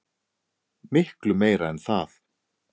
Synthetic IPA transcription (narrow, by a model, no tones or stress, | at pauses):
mɪhklʏmeːjɾaɛnθaθ